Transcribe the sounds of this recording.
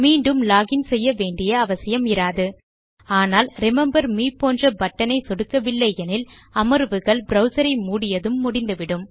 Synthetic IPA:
miːɳɖɯmlaːɣɪnsɛjːɐʋeːɳɖɪjɐːʋɐsɪjɐmɪɾaːðɯ | aːnaːlɾɪmɛmbɐɾmiːpːoːndrɐbɐʈːɐnɐɪsɔɽɯkːɐʋɪlːɐɪɛnɪlɐmɐɾʋɯɣɐɭbɾɐʊsɐɾɐɪmuːɽɪjɐðɯmːʊɽɪnd̪ɯʋɪɽɯm

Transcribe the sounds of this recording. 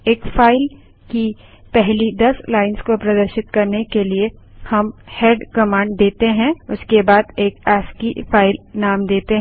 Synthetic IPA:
eːkfaːɪl | ki | pɛɦlid̪ɐslaːɪnskopɾɐd̪əɾʃɪt̪kɐɾnekelie | hɐmheːɖkɐmãːɳɖd̪eːt̪eɦɛ̃ʊskebaːd̪eːkɛːskifʰaːɪlnaːmd̪eːt̪eɦ

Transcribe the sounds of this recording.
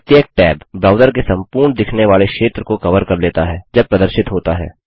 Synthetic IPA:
t̪jək̚ʈɛːbbɾaːʊd̪əɾkesɐ̃mpuːɾɳd̪ɪkʰneʋaːlekʃeːt̪ɾəkokɐʋəɾkɐɾleːt̪aɦɛːd͡ʒɐb̚pɾɐd̪əɾʃɪt̪ɦoːt̪aɦɛ̰ː

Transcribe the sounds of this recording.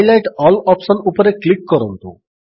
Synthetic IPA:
jlajʈɔlɔpsənupəɾeklikːɔɾont̪ṵ

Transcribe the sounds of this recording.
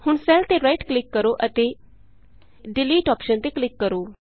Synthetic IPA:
hʊɳsɛlt̪eːɾaiʈklɪkːəɾoːʔət̪eː | ɖɪliːʈɔːpʃənt̪eːklɪkːəɾoː

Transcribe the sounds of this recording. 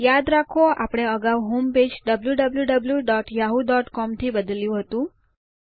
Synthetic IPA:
jad̪ɾakʰoa̰pəɽ̃eəɡaʋɦomped͡ʒɖəbljuɖəbljuɖəbljuɖɔʈjaɦud̪ɔʈkɔmt̪ʰibəd̪əljũɦət̪ũ

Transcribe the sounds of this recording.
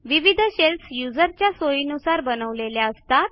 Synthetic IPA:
ʋiʋid̪ʱɕelsjud͡zəɾt͡ɕjasojinusaɾbənəʋleljaəst̪at̪

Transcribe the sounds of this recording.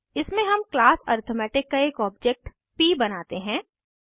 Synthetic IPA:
ɪsmẽɦɐmklaːsɔ̰ːɾt̪ʰomɛːʈɪkːaeːkɔːb̚d͡ʒɛk̚ʈ | piːbɐnaːt̪eɦɛ̃ː

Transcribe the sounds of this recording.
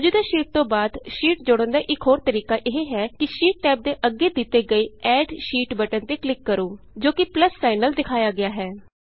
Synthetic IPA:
d͡ʒuːd̪aːʃiːʈ̚t̪õːbaːd̪ʃiːʈ̚d͡ʒʊɽə̃nd̪aːʔɪkɦoːɾt̪əɾiːkaːʔɪɦeːɦɛːkɪʃiːʈ̚ːɛːp̚d̪eːʔəɡeːd̪ɪt̪ːeːɡəiːɛːɖʃiːʈbəʈənt̪eːklɪkːəɾoː | d͡ʒoːkɪpləsːaːɪnəld̪ɪkʰaːjaːɡɪjaːɦɛː

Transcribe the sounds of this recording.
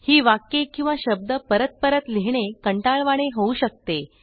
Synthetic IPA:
hiːʋakːekĩw̃ʋaɕəb̚d̪əpəɾət̪̚pəɾət̪liɦɳekəɳʈaɭʋaɽ̃eɦouɕək̚t̪e

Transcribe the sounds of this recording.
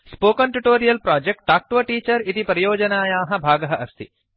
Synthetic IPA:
spoːkɐɳʈuʈoːɾijɐlpɾaːd͡ʒek̚ʈʈaːk̚ʈʋɐʈiːt͡ʃɐɾit̪ipɐɾɐjoːd͡ʒɐnaːjaːɦɐ̆bʱaːɡɐɦɐʔɐst̪ʰḭ

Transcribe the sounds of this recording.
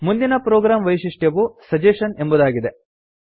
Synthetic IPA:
mund̪inɐpɾɔːɡɾaːmʋɐjʂiʂʈjɐʋusɐd͡ʒeːʂɐne̞mbud̪aːɡid̪e̞

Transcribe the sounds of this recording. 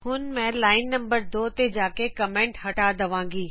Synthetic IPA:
ɦʊn̆mɛ̃laːɪnːɐ̃mbəɾd̪oːt̪ed͡ʑaːkekɐmẽːɳʈɦɐʈaːd̪ɐʋãːŋɡiː

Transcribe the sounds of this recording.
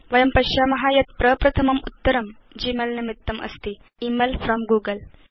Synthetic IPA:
ʋɐjɐmpɐʃjaːmɐɦaːjɐt̪pɾɐpɾɐt̪ʰɐmɐmut̪ːɐɾɐm | d͡ʒiːmɐlnɐmit̪ːɐmʔɐ̰st̪i | imelfɾɔːmɡuːɡɐl

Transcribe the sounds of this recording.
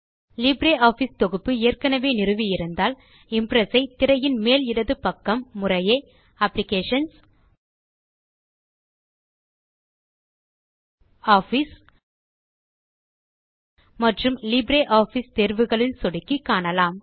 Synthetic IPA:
liːbɾeːʔaːfist̪ɔɣɯpːɯeːɐrkɐnɐʋeːnɪrɯʋijɪɾɯnd̪aːl | ɪmpɾɐsɐɪt̪ɪɾɐjɪnmeːlɪɽɐðɯpɐkːɐmːʊrɐjɐɪ | ɐplɪkeːʂɐns | aːfis | mɐʈrɯmliːbɾeːʔaːfist̪eːɾʋɯɣɐɭɪlsɔɽɯkːikːaːɳɐlaːm

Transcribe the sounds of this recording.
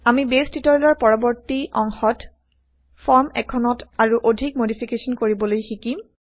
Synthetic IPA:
amibestitɔɹlɔɹpɔɹɔbɔɹtiɔŋxɔt | fʰɔɹmɛ̰kʰɔnɔtaɹuʔodʱik̚modipʰikesɔnkoɹibɔlojxiki

